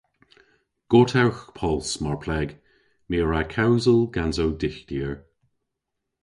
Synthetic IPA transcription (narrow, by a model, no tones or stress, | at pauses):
ɡ̥otʰawxpʰɔlsmaɹpʰlɛɡ | miːɹakʰawzəlɡanzowdɪxd̥iːəɹ